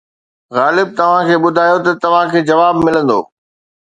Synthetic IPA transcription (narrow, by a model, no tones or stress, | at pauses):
ɣaːlɪb̚t̪ɐʋ̤ãkʰeːɓʊd̪ʱaːjot̪ɐt̪ɐʋ̤ãkʰeːd͡ʑɐʋaːbmɪlə̃nd̪o̰ː